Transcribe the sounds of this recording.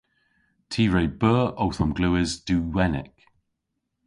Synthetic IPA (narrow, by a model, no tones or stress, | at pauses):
tʰiːɹejbɜːʔowθɔmɡluɪzd̥uːwɛnɪ̰k